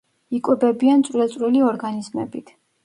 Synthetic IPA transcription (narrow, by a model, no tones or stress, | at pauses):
ikʼɛbɛbiant̪sʼwɛlˠt̪sʼɾiliɔɾɡanizmɛ̰bit̪ʰ